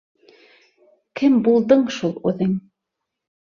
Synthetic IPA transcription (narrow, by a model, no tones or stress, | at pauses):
kʰɘmbulˠd̪ɤɴʃulˠʉ̰ðɘŋ